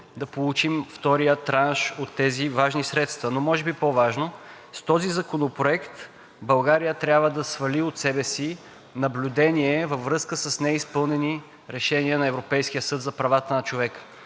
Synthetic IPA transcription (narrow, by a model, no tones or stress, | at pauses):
d̪ɐpolˠut͡ʃimft̪ɔɾijət̪ɾanʃot̪ːɛzivaʒnisɾɛt̪st̪vɐnomɔʒɛbipovaʒno | st̪ɔzizɐkonopɾoɛkt̪ | bɐlˠɡaɾijət̪ɾʲjabvəd̪ɐsvɐliot̪sɛbɛsi | nɐblʲud̪ɛniɛvəfːɾɤskəsəsnɛispɤlˠnɛni | ɾɛʃɛniənɐɛvɾopɛjskʲijəsɤt̪zɐpɾɐvat̪ənɐt͡ʃovɛkə̥